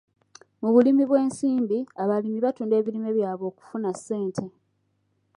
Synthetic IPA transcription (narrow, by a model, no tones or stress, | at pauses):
muβulimiβwe̞ːnsiːmbiaβalimiβatuːnde̞ːβilimeβjaːβo̞ːku̥funasːe̞ːntʰe̞